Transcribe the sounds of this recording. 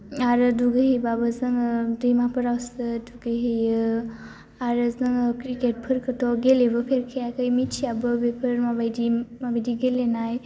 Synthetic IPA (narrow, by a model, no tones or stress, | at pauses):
aɾɯduɡəɦijbabəzəŋdəjmapʰəɾawsəduɡəɦi | aɾəzəŋkɾikeʈ̚pʰəɾkətɔɡelebəpʰeɾkʰejakəjmit͡ʃʰiabəbepʰəɾmabajdimabadiɡelenaj